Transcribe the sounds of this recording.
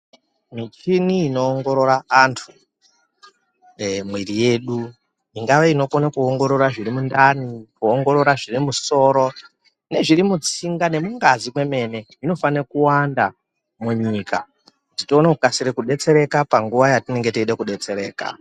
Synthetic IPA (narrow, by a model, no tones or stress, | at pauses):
mit͡ʃiniːnoːŋɡo̞ɾo̞ɾaantʰu | mwirije̞ːɗu | iŋɡaʋeino̞konakuoŋɡo̞ɾo̞ɾaʐiɾimundanikuoŋɡo̞ɾo̞ɾaʐirimuso̞ɾo̞ | ne̞ʐiɾimut͡siŋɡane̞muŋɡazimwe̞me̞ne̞ | ino̞fanekuwanda | muɲika | ditoːnaukasiɾekuɗe̞t͡se̞ɾe̞kapaŋɡuʋajatine̞ŋɡeteiɗekuɗe̞t͡se̞ɾe̞ːka̰